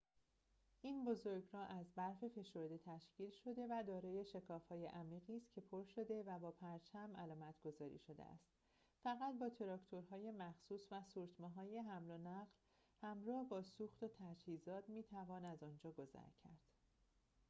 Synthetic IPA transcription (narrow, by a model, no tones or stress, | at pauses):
ʔiːnbo̞zo̞ɾɟɾɒːʔæzbæɾfe̞fe̞ʃo̞ɾd̪e̞t̪ʰæʃciːlʃo̞d̪e̞væd̪ɒːɾɒːje̞ʃe̞kʰɒːfhɒːje̞ʔæmiːɣiːst̪cʰe̞pʰoɾʃo̞d̪e̞væbɒːpʰæɾt͡ʃʰæmʔælɒːmæt̪ʰɡ̥o̞zɒːɾḭːʃo̞d̪ḛʔæ̰st̪ | fæɣæt̪̚bɒːt̪ʰe̞ɾɒːcʰt̪ʰo̞ɾɦɒːje̞mæxsuːsvæsuːɾt̪ʰmɒːɦɒːje̞ɦæmlonæɢl | hæmɾɒːhbɒːsuːxt̪ot̪ʰæd͡ʒhiːzɒːt̪miːt̪ʰævɒːnæzɒːnd͡ʒɒːɡo̞zæ̰ɾcʰæ̰ɾd̪̥